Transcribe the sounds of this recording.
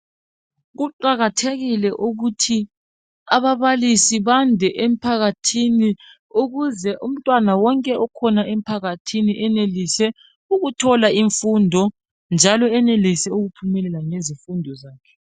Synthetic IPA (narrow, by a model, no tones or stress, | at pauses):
ɣuǃaɣatʰeɣilɛʔuɣutʰi | aβaβalisiβandʱɛʔem̩pʰaɣatʰini | uɣuzɛʔum̩tʼwanawɔŋkʼɛʔɔkʰɔnaʔem̩pʰaɣatʰiniʔɛnelisɛ | uɣutʰɔlaiɱfundʱɔ | nd͡ʒʱalɔɛnelisɛuɣupʰumɛlɛlaŋezifundʱɔzaːkʰɛ̥